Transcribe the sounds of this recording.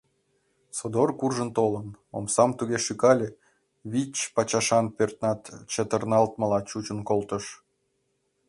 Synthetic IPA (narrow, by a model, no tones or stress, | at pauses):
sod̪orkurʒə̆nt̪oləno̰msɑmt̪uɣeʃykɑlʲe | βit͡ɕpɑt͡ɕɑʃɑnpørt̪nɑt̪t͡ɕət̪ərnɑlt̪məlɑt͡ɕut͡ɕənkolt̪ə̆ʃ